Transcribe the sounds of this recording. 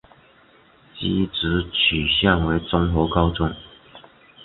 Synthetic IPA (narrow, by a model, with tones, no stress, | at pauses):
t͡ɕi˥˦t͡sɻ̩˧˥t͡ɕʰy˨˩ɕja˥˩ŋwe˧˥ɪt͡sʊ˥ŋxo˧˥˦kɑ˥ʊʈ͡ʂʊ˥˩ŋ